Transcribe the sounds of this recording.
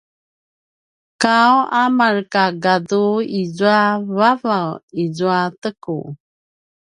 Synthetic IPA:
kawamarkaɡaduizuavavawizuatəku

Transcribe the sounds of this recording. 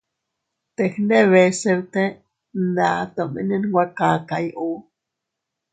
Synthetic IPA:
t̪exneβesewt̪e | nat̪omḭnenwʷakakajʔu

